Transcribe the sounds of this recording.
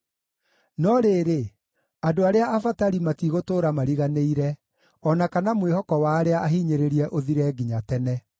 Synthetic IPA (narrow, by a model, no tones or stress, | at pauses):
nɔɾeːɾe | adoaɾeaːfataɾimatiɣotoːɾamaɾiɣaneiɾɛ | ɔnakanamwehɔkɔwaɾeaʔaɦiːɲeɾeɾiɛʔoðiɾɛːɡiɲatɛnɛ